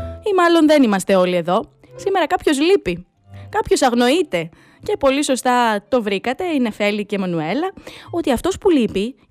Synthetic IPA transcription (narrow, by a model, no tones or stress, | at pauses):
imɐlo̞nðe̞nimɐst̪e̞o̞lie̞ðo̞ | sime̞ɾɐkɐpço̞zlipi | kɐpço̞sɐɣno̞it̪e̞ | ce̞po̞liso̞st̪ɐt̪o̞vɾikɐt̪e̞ine̞fe̞lice̞mɐnue̞lɐo̞t̪iɐft̪o̞spulipi